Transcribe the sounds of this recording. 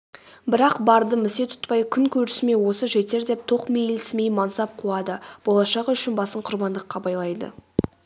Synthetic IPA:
bɪɾɑqbɑɾd̪əmɪse̞t̪ʰʊ̥t̪pɑjkʲʰʏŋkʲʰɵɾɪsme̞wo̞səʒe̞t̪e̞ɾd̪e̞p̚t̪ʰo̞qmejlsmejmɑnsɑp̚qʰuɑd̪əb̥o̞lˠɑʃɑqʏʃɪnbɑsəɴqʰʊɾbɑnd̪əqːɑbɑjlˠɑjd̪ə̰

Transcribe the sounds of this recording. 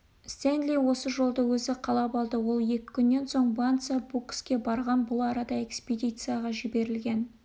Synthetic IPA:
st̪end̪lʲijwo̞səʒo̞lˠd̪əwɵzɪqʰɑlˠɑpɑlˠd̪əwo̞lˠje̞kʲɪ̥kʲʰʏnːe̞nso̞ɴbant̪sɑbukskʲe̞bɑɾʁɑnbʊlˠɑɾɑd̪ɑe̞kspʲed̪ʲijt̪sɨjaʁɑʒɪbe̞ɾɪlɡʲe̞n

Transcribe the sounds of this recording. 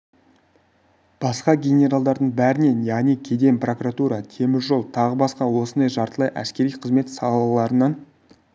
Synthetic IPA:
b̥ɑsqɑɡʲenʲe̞ɾalˠd̪ɑɾd̪əɴbæɾɪne̞njæʁnikʲʰe̞d̪e̞mpro̞kuɾat̪uɾɑt̪ʰe̞mɪzʒo̞lˠt̪ʰɑʁəbɑsqɑwo̞sənd̪ɑjʒɑɾt̪əlˠɑjʔæ̰skʲe̞ɾijqʰəzme̞t̪sɑlˠlˠəlˠɑɾənɑn

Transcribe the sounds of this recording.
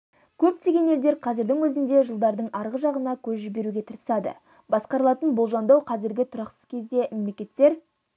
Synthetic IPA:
kʲʰɵp̚t̪ʰe̞ɡʲe̞ne̞ld̪e̞ɾqʰɑzɪɾd̪ɪŋwɵzɪnd̪e̞ʒəlˠd̪ɑɾd̪əɴʔɑɾʁəʒɑʁənɑkʲʰɵzʒɪbe̞ɾuɡʲe̞t̪ʰəɾəsɑd̪ə̰ | bɑsqɑɾəlˠɑt̪ənbʊlˠʒɑnd̪ɑwqʰɑzɪɾɡʲɪt̪ʰʊɾɑqsə̥z̥kʲʰe̞zd̪e̞me̞mle̞kʲe̞t̪ːe̞ɾ

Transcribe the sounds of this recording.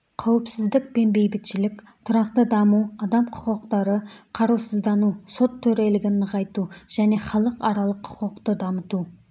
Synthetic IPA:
qʰɑwɪpsɪzd̪ɪk̚be̞nbejbɪt̪ʃɪlɪkʲ | t̪ʰʊɾɑqt̪əd̪ɑmuwɑd̪ɑmqʰʊ̥qəqt̪ɑɾəqʰɑɾusəzd̪ɑnuso̞t̪ʰːɵɾe̞lɪɡʲɪnəʁɑjt̪uʒ̥æne̞χɑlˠəqɑɾɑlˠəqʰʊ̥qəqt̪əd̪ɑmət̪u

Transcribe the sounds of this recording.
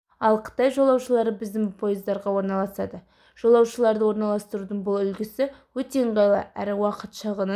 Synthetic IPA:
ɑlˠqʰə̥t̪ɑjʒolˠɑwʃəlˠɑɾəbɪzd̪ɪŋpʰo̞jɪzd̪ɑɾʁɑwo̞ɾnɑlˠɑsɑd̪ə | ʒ̥o̞lˠɑwʃəlˠɑɾd̪əwo̞ɾnɑlˠɑst̪əɾud̪əɴbʊlˠʏlɡʲɪsɪwɵt̪eɴqɑjlˠɑ̰ʔæ̰ɾɪwɑqət̪ʃəʁənə

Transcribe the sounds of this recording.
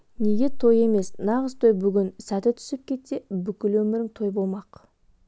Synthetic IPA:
ne̞ɡʲe̞t̪ʰo̞je̞me̞snɑʁəzt̪ʰo̞jbʏɡʲɪnsæt̪ɪt̪ʰʏ̥sɪp̚kʲʰe̞t̪ːe̞bʏkʲɪlwɵmɪɾɪŋt̪ʰo̞jbo̞lˠmɑq

